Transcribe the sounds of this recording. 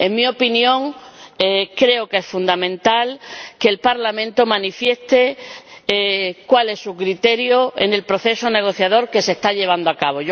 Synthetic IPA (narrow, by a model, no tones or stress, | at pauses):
e̞ŋmio̞pinjõ̞ŋ | kɾe̞oke̞sfũnd̪amẽnt̪alke̞ːlpaɾlamẽnt̪o̞mãnifje̞st̪e | kwale̞sːukɾit̪e̞ɾjoḛne̞lpɾo̞θe̞sone̞ɣ̞o̞θjað̞o̞ɾke̞sest̪aʎe̞β̞and̪oakaβo